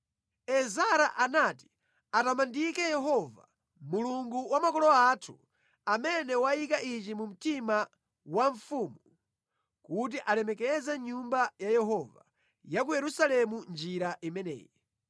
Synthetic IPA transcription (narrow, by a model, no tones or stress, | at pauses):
ɛzaɾaʔanati̥ | atamandikɛjɛɦɔva̰ | muluŋɡuwamakɔlɔatʰu̥ | amɛnɛwajikaʔit͡ʃimum̩tima | waɱfuːmu | kut̬iʔalɛmɛkɛzɛɲumbajajɛɦɔva̰ | jak̬ujɛɾusalɛmund͡ʒiɾaʔimɛnɛ̰ːjɛ